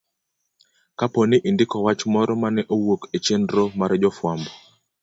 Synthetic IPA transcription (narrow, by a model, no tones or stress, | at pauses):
kaponiʔindɪkɔwat͡ʃmɔɾɔmanɛʔowoket͡ʃendɾomaɾɛd͡ʒɔfwambɔ